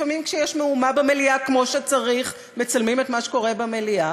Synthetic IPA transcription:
famimkʃejɛʃmeumabemeliakmo̞ʃet͡saʁiχ | me̞t͡salmimetmaʃe̥ko̞ʁebamelia

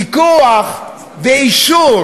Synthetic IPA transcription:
ikuaχ | veiʃu

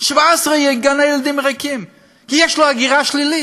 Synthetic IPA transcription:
ʃvaɛsʁejɛɡanajɛld̪imʁakim | kijɛʃloaɡiʁaʃlili

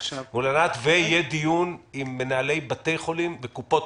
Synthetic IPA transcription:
mulanat̪vejed̪ijunimːenaale̞jbat̪e̞jχo̞limvekupo̞t

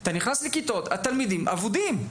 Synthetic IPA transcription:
t̪aniχnaslekit̪o̞t̪hat̪almid̪imʔa̰vud̪im

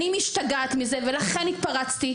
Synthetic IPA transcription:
nimiʃt̪aɡaːt̪mize̞ve̞laχe̞nit̪̚paʁat͡st̪i

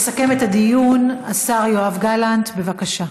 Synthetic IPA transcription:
sake̞met̪had̪ijunasaʁjoavɡalant̪be̞vakaʃa

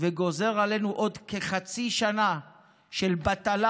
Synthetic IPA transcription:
veɡo̞ze̞ʁale̞nuʔo̞dkeχat͡siʃana | ʃe̞lbat̪ala

